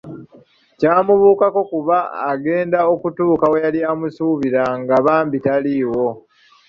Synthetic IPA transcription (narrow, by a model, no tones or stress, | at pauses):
caːmuβuːkako̞kuβaːɡe̞ːndao̞kutuːkawejaliamusuːβiɾaŋɡaβaːmbitaliːwo̞